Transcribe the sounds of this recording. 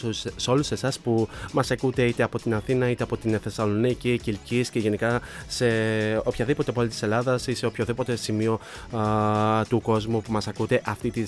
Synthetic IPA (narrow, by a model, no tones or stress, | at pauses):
so̞luse̞sɐspumɐsɐkut̪e̞it̪e̞ɐpo̞t̪inɐθinɐit̪e̞ɐpo̞t̪inθe̞sɐlo̞nicicilcisce̞ʝe̞nikɐse̞o̞pçɐðipo̞t̪eɐpolit̪ise̞lɐðɐsise̞opçoðipo̞t̪e̞simio̞ | t̪uko̞zmupumɐsɐkut̪e̞ʔɐft̪it̪i